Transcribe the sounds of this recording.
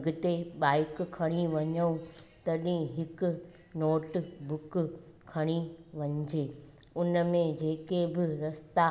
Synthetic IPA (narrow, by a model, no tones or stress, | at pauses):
ɡʊt̪eɓaːɪkkʰːɐɽ̃iʋɐɲəũt̪ɐɗĩɦɪkʊ̆ | noːʈbʊk | kʰɐɽ̃iʋɐɲd͡ʑeː | ʊnəmẽd͡ʑeːkebɪɾɐst̪a